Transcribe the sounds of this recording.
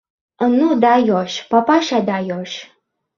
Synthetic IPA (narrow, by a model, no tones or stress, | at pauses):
ənud̪ajɔʃpapaʃad̪ajɔʃ